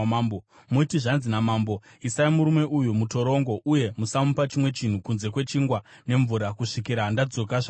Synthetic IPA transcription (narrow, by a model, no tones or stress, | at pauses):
o | muitiʐanzinamaːmbo̞ | isaimuɾume̞ʔujumuto̞ɾo̞ŋɡo̞ʔuje̞musamupat͡ʃimwe̞t͡ʃin̤ukunze̞kwe̞t͡ʃiŋɡwa | ne̞ɱvuɾakuʂikiɾandad͡zo̞kaʐa